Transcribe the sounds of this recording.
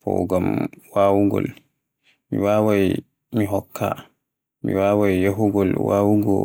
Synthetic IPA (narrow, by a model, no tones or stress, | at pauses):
pɔ̰ɡamwaːwuɡɔ̰l | miwaːwaj | miɦɔkʰːa̰ | mḭwaːwajjaɦuɡɔlwaːwuɡɔ̰